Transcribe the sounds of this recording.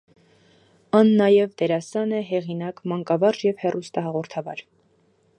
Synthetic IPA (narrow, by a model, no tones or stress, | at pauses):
ɑnːɑjɛvd̪ɛɾɑsɑnɛɦɛʁinɑkmɑŋkɑvɑʒjɛvhɛrʔust̪ɑɦɑʁɔɾt̪ʰɑvɑ̰ɾ